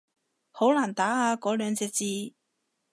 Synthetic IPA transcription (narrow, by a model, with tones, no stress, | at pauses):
ho˨˥wlaː˨˩nt̪aː˨˥haː˨˧kɔː˨˥lœː˨˧ŋt͡sɛː˧t͡siː˧